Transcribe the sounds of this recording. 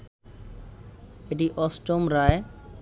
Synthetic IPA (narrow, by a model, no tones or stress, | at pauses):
eʈiʔɔsʈomɾae